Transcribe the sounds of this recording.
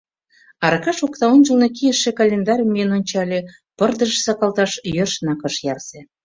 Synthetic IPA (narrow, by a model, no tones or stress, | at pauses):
ɑɾɑkɑʃokt̪ɑont͡ʃəlnekijəʃːekɑlʲend̪ɑɾʲəmːiənonʲt͡ɕɑlʲe | pərd̪əʃsɑkɑlt̪ɑʃjørʃnɑkəʃjɑrsĕ